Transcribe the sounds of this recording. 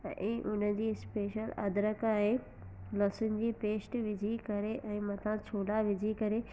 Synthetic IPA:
ʔʊn̤ə̆d͡ʑiːspeːʃəlɐ̰d̪ɾəkaːɦe | lɐsʊnɪ̆d͡ʑiːpeːsʈʋɪd͡ʑʱikɐɾeʔɛ̃ːmɐt̪ʰãt͡ɕʰoːlaʋɪd͡ʑʱikɐɾe

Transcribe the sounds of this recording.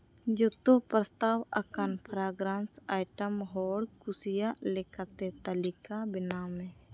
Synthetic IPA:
d͡ʒʊt̪opɾəst̪awəkanpʰəɾaɡɾansajʈəmɦɔːɾkusijaʔlɛkat̪et̪əlikabɪnamɛ̃

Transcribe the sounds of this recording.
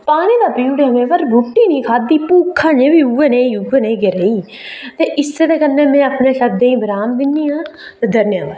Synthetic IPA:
paːniːd̪aːpiːuɽeːɦəmẽːʋəɾɡʱʊʈiːnĩːkʰaːd̪iːpuːkʰːaːnẽːʋiːueːneːiuːeːneːɡeɾeːiː | t̪eːʔɪseːd̪eːkənːẽːmɛ̃ːəpneːʃəd̪ẽːĩːbəɾaːmd̪ɪnːiːãːt̪eːd̪əɾnjãːd̪aː

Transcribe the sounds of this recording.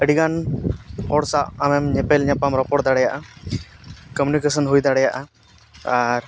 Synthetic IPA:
əɽiɡan | hɔɽsapamɛmɲɛpɛlɲapamɾɔpɔʈd̪aɽɛjaʔa | kəmunikesənɦujd̪aɽɛjaʔa | aɾ

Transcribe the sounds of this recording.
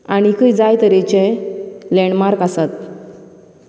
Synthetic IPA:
aɽ̃ikəjd͡zajt̪əɾɛt͡ɕɛlɛɳmaɾkasat̪

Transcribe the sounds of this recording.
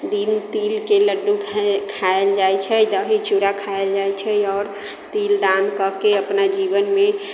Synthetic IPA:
d̪int̪ilkeləɖːukʰkʰaeld͡ʒajt͡ʃʰɛd̪əɦit͡ʃuɾakʰaeld͡ʒajt͡ʃʰɛɔːɾ | t̪ild̪ankəkeəpnad͡ʒibənme

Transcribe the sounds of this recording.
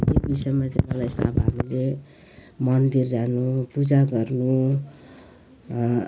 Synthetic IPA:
t̪ebisʌjmat͡sãjmʌlajst̪a̰bɦamile | mʌnd̪irːanupud͡zaɡʌrnu

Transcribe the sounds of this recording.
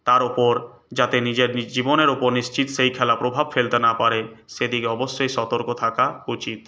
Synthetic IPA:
t̪aɾupoɾ | d͡ʑat̪enid͡ʑeɾid͡ʑiboneɾupoɾnist͡ɕit̪ʃejkʰɛlapɾobʱabfelt̪enapaɾeʃed̪ikeɔboʃːojʃɔt̪oɾkot̪ʰakaut͡ɕit̪

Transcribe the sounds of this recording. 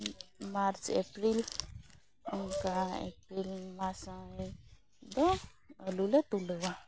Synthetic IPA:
maɾt͡ʃepɾil | unkaḛpɾilmasə̃i | d̪e | əlulet̪uləwa

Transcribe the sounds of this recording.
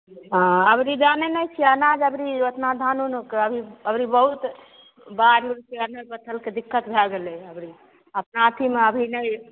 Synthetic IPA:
ɦɔ̃əbɾid͡ʒanenəjt͡ʃʰiənad͡ʒəbɾiət̪nad̪ʱanunokeəbʱiəbɾibəɦut̪ | baɾuɾkeənəɾbət̪ʰəlked̪ikːət̪bʱɛɡeleəbɾi | əpnat̪ʰimeəbʱinəj

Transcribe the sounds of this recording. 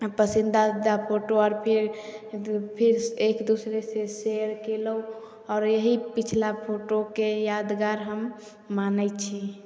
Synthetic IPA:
pəsĩnd̪ad̪apʰoʈoɔːɾpʰiɾ | pʰiɾekd̪usɾeseseɾkelə | ɔːɾjəɦipit͡ʃʰlapʰoʈokejad̪ɡaɾɦəmː | anət͡ʃʰi

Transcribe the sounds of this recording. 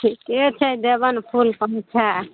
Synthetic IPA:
iket͡ʃʰɛd̪ebənpʰulpəmt͡ʃʰa

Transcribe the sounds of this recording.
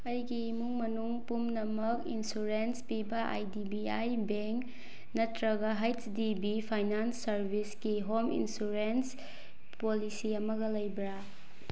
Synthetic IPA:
ɐjɡimuŋmɐnuŋpumnɐmɐkinsuɾenspibɐʔa̰jdibiajbeŋk | nɐtɾɐɡɐɦajtdibipʰajnansːɐɾbʱiskiɦomḭnsuɾens | polisiɐmɐɡɐlɐjbɾa

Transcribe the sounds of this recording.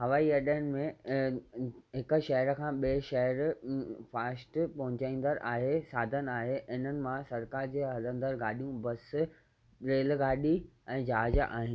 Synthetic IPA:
ɦɐʋaːiɐɗəənɪ̆mẽ | ɦɪkʊ̆ʃɐɦəɾkʰãːɓiʃɐɦəɾfaːsʈpɐɦʊ̃t͡ɕãĩːn̆d̪əɾʔaːɦesaːd̪ʱən̆aːɦeɪn̤ənɪ̆mãsɐɾkaːɾd͡ʑeːɦɐlə̃nd̪əɾɡaːɗijũbɐs | ɾeːlɡaːɗi | ɛ̃ːd͡ʑaːaːd͡ʑ̰ʔa̰ːɦĩn

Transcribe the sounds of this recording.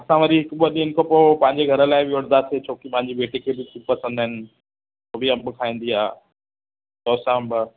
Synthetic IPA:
ɐsãʋɐɾiɦɪkɓoɗinɪkʰopoːpɐ̃ɦɪ̃ɲ̆d͡ʑeɡʱɐɾəlaːɪbɪʋʊɽ̃nd̪at̪ʰiet͡ɕʰoːkipɐ̃ɦɪ̃ɲd͡ʑibeːʈikʰeːbʱɪtupɐsə̃nd̪aːɦɪnɪ̆ | toːbʱiɐbɪkʰaːĩːn̆d̪iɦaː | t̪ɔːsãːbɪ

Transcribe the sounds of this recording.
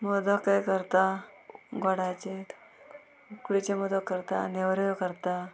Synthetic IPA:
mɔd̪əkːajkəɾt̪a | ɡoɽat͡ɕe | ukɽit͡ɕemɔd̪əkːəɾt̪anewɾkəɾt̪a

